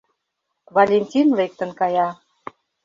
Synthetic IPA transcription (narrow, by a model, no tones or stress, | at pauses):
vɑlʲenʲtʲinlek̚t̪ə̆nkɑjɑ